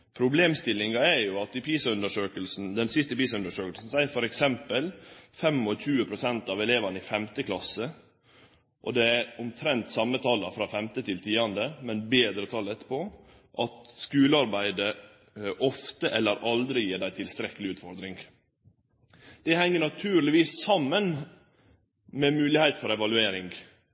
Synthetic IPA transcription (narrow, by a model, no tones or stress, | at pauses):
pʰɾʊbleːmst̪ɪlːɪŋɑɛɾjʊɑt̪̚ɪpʰiːsʉnd̪əʂøːkəlsn̩d̪ɛnsɪst̪əpiːsʉnd̪əʂøːkəlsn̩sæɪfɔɾɛksɛmpəlfɛmɔçʉːəpʰɾʊsɛnt̪ɑʋɛleːʋɑnəɪfɛmt̪əkʰlɑsə | ʔɔ̰d̪ɛæɾʊmt̪ʰɾɛnt̪sɑmːət̪ʰɑːlɑfɾɑːfɛmt̪ət̪ʰɪlt̪ʰiːɑnd̪əmɛnbeːd̪ɾəot̪ʰɑːlɛt̪ːəpo | ʔɑt̪skʉːləɑɾbæɪd̪ə | ʔɔft̪əʔɛlːəɾʔɑld̪ɾɪjiːɖæɪt̪ʰɪlst̪ɾɛkːəlɪʉːt̪fɔɾd̪ɾɪŋɡ | d̪̥ɛhɛŋːəɳɑt̪ʰʉːɾlɪʋiːssɑmːən | mɛmʉːlɪhæɪt̪fɔɾɛʋɑlʉeːɾɪŋɡ